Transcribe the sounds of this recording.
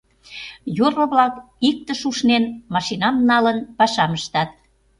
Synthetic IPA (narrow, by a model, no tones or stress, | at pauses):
jorŏβlɑk | ik̚t̪əʃuʃnenmɑʃinɑmnɑlənpɑʃɑməʃt̪ɑt̪̚